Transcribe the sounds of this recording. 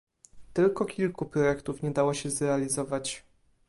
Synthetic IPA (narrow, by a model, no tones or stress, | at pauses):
t̪ɘlkɔkʲilkupɾɔjɛkt̪ufɲɛd̪awɔɕɛzɾɛalʲizɔvat͡ɕ